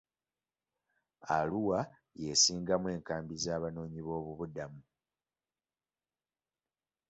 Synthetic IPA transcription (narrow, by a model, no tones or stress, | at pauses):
a̰luwa | jesiːŋɡamwe̞ːŋkaːmbizaːβano̞ːɲiβo̞ːβuβudamu